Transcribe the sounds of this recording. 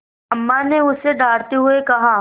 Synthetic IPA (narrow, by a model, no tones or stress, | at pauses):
ɐmːaneʊseɖaːɽt̪eɦʊekɐɦa